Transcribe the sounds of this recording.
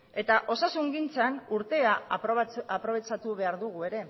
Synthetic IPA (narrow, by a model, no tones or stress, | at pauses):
e̞t̪aʔo̞sasuŋɡint͡sanuɾt̪e̞a | apɾo̞βe̞t͡ʃat̪uβe̞aɾðuɣ̞ue̞ɾe̞